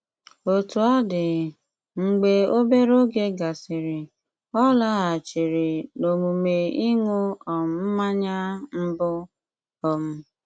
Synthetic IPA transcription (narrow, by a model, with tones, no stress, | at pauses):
o˨tu˨a˦dɪ˨ | ŋ͡m̩˨ɡ͡be˨o˦be˦ɾo˦ɡe˦ɡa˨sɪ˨ɾɪ˨ | ɔ˦la˦ɦa˨t͡ʃi˨ɾi˨no˨mu˨me˨i˦ŋu˦ɔ˨m̩˦m̩˦ma˦ɲa˦m̩˦bʊ˦ | ɔ˦m̩˦